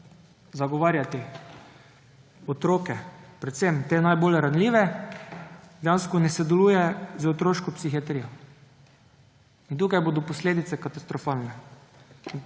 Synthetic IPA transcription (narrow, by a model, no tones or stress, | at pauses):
zaɡɔʋaːɾjat̪i | ɔt̪ɾoːkɛpɾɛt̪semt̪eːnajbolɾanliːʋɛ | d̪janskɔnɛsɛd̪ɛluːjɛzot̪ɾoːʃkɔpsixiat̪ɾiːjɔ | int̪uːkajboːd̪ɔpɔsleːd̪it̪sɛkat̪ast̪ɾɔfalnɛ